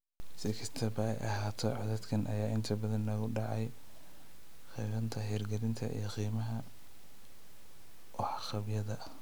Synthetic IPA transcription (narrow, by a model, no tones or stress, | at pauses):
sɪkʰɐst̪ʰɐbɐɛ̰jʔɐɦaːt̪ʰɔʕɑðɛd̪kʰɐnʔɐ̰jaːʔɪnt̪ʰɐbɐðɐnɐɣʊɖɑʕɑj | qiːβɐnt̪ʰɐɦɛːrɡɛɾɪnt̪ʰɐ̰ʔḭjɞqiːmɐɦɐ | wɔħɑqɑbjɐðɐ